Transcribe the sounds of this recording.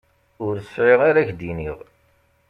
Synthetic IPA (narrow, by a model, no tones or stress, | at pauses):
ʊɾsʕɪʁaɾæçd̪iniʁ